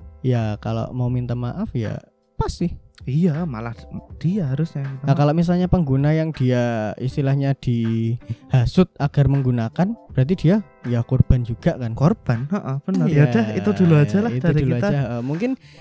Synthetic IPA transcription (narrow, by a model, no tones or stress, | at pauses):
jakalo̰ʔmaumint̪amaʔafja̰ | past̪ɪhijamalahd̥iaɦaɾʊsɲamiaakaloʔmis̬alɲapəŋɡunajaŋd̥iaḭst̪ilahɲad̥i | hasʊt̪̚aɡ̥arməŋɡunakanb̥əɾat̪̬id̥ia | jakɔrb̥and͡ʒuɡ̥aʔkankorb̥anəʔəb̥ənəjjad̥ɛhḭt̪ud̪uluad͡ʒalaitd̪aɾid̪uliuaad͡ʒaɦaʔəmuŋkɪn